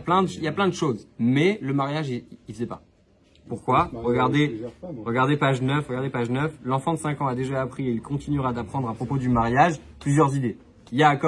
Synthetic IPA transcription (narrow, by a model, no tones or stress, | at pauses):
aplɛ̃d̪əiljaplɛ̃d̪əʃozmɛləmaʁjaʒiifəzɛpa | puʁkwaʁəɡaʁd̪eʁəɡaʁd̪epaʒnœfʁəɡaʁd̪epaʒnœflɑ̃fɑ̃d̪əsɛ̃kɑ̃ad̪eʒaːpχieilkʰɔ̃t̪inɥyʁad̪apχɑ̃d̪ʁapχɔpod̪ymaʁjaʒplyzjœʁzid̪e | jakɔ